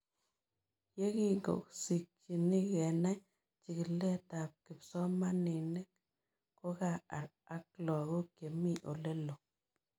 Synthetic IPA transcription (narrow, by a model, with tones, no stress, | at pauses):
je˦ki˦ŋɡo̰˨ksi˨k̚t͡ʃi˨ni˦kɛ˨na˦ | t͡ʃi˨ki˨lɛ˦ta˨p̚ki˨psɔ˦ma˦ni˨ne˦k | ko˦ka˨a˨ɾa˦k̚lɔ˨ɣo˦ke˨mi˦ʔo˨le˦lo˨